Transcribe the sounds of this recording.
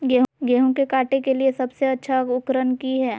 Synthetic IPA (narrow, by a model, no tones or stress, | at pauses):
ɡeːɦɡeːɦõkekaːʈekeliesɐbseɐtːʃʰaʊkɾənkiɦɛː